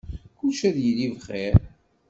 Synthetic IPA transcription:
kuʃæðjəlivχeɾ

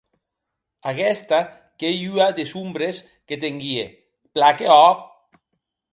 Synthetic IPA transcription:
aɣɛst̪a | keʎyad̪esumbɾes | ket̪eŋɡie | plakeɔk

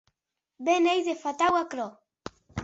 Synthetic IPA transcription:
benejzefat̪awakɾɔ

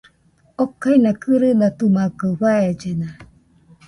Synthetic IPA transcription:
okːainakɯɾɯnat̪umakɯwaed͡ʒena

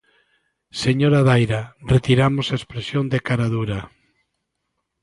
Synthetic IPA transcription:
seɲoɾaðajɾaret̪iɾamosaespɾesjond̪ekaɾaðuɾa

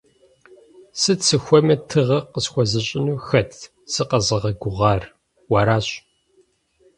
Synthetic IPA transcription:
sɨt͡sʰɨxʷɔmɐtʰɨʁɐqəsxʷɔzɨɕʼɪnuːxɐtʰ | sɨqɐzɨʁɐɡʷʊʁɑːr | wɑːɾaːɕʼ

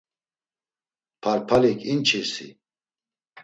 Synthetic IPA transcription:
pʰaɾpʰalikʰʼint͡ʃʰisḭ

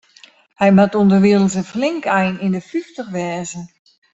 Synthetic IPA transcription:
hɛjmatundərʋiələn̩sənflɪŋkɛjnindəfyftəxʋɛːzə

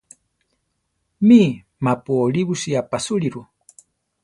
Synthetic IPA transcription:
mi | mapuoliβusiapasuliɾu

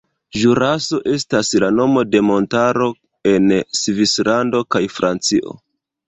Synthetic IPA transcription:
ʒuɾaso̞ʔe̞staslano̞mo̞de̞mo̞ntaɾo̞ | e̞nsvislando̞kajfɾʔant͡siʔo̞̰

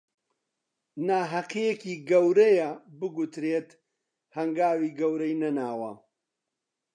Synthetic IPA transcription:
naːɦɐqijekiːɡɐwɾɐjɐbɨɡut̪ɾeːt̪ | hɐŋɡaːwiːɡɐwɾɐjnɐnaːwɐ̰

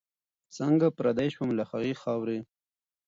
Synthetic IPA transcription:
səŋɡapɾad̪aʃwamlaxaɣixɑwɾi

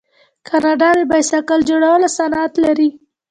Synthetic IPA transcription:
kʰɑnɑɖɑd̪ebajsakald͡ʒoɽawəlasanat̪laɾi

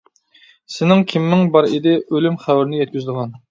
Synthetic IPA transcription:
sɪnɪŋkʲʰimːɪŋbɑɾɪd̪ɪʔølymχæwɾɪnɪjɛt̪̚kʲyzɪd̪əʁɑn

